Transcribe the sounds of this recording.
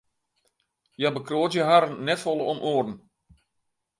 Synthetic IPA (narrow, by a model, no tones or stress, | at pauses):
jabəkroːtjəɦaɾənːɛtfɔlˠəɔmʔoːrn̩